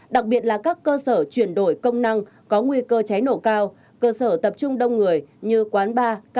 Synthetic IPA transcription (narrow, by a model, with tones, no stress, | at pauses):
ɗa˨˩k̚ɓi˨˩ət̚laː˨˩kaː˦˥kːəː˧səː˧˩t͡ɕwi˧˩ənɗo˧˩jkə˧wŋ͡mna˧ŋ | kɔ˨˦ŋwi˧kəː˧t͡ɕa˨˦jno̰˧˩kaː˧w | kəː˧səː˧˩t̪ə˨˩p̚t͡ɕʊ˧ŋ͡mɗə˧wŋ͡mŋɨ˨˩əjɲɨ˧kwaː˨˦nɓaː˧˦